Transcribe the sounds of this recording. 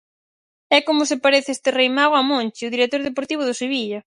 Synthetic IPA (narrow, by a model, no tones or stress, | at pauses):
ɛkomʊsepaɾeθɪest̪ɪrejmaɣoamõnt͡ʃɪʊðiɾek̚t̪oɾðepoɾt̪iβ̞ʊð̞ʊseβiʎɐ